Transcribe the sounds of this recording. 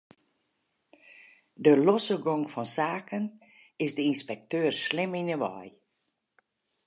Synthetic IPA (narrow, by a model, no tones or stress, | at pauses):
dəlɔsəɡɔŋfɔnsaːkʰən | ɪsdəinspɛk̚tøːrslɪminəʋɔ̰j